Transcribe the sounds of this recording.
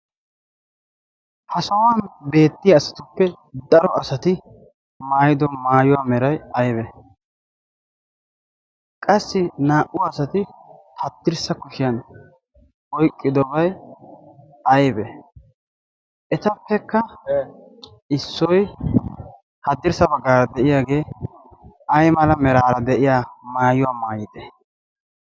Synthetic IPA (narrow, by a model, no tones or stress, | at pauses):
hɐsɐwɐnbe̞ːt̪ːɪjɐːsɐ̥t̪ʊpːɛ | d̪ɐɾɔʔɐsɐt̪ɪ | maːjɪd̪ɔmaːjʊwaːmɛɾɐjɐjbɛ | kʼɐsːɪnaːʔʊwaːsɐt̪ɪ | hɐt̪ːɪɾsɐkʊʃɪjɐn | ɔjkʼːɪd̪ɔbɐj | ɐjbɛ | ʔɛt̪ɐpːɛkːɐ | ɪsːɔj | hɐd̪ɪɾsɐbɐɡːaːɾɐd̪ɛʔɪjaːɡe̞ː | ɐjmɐlɐmɛɾaːɾɐd̪ɛʔɪjaːmaːjʊwaːmaːjɪd̪ɛ